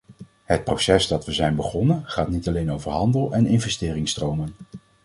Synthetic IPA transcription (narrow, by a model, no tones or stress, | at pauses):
ɦət̚prowsɛsdɑtʋəzɛjnbəχɔnənχaːtnitɑlejnowvəɹɦɑndəlˠɛnɪnvɛstɪːrɪŋstrowmən